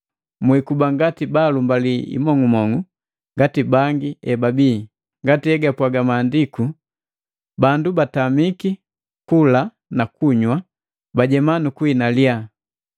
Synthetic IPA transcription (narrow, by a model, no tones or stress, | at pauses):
mwikubaŋɡatibalumbaliḭmɔŋumɔŋu | ŋɡatibaŋɡiɛbabiː | ŋɡatiɛɡapwaɡamaːndiku | bandubatamiki | kula | nakuɲwa | baɟɛmanukwinalja